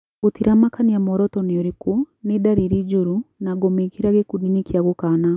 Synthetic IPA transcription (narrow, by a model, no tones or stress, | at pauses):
otiɾamakaniamɔɾɔtɔneoɾiko | nedaɾiɾid͡ʒuɾunaɡɔmekiɾaɣekudinikiaɣokana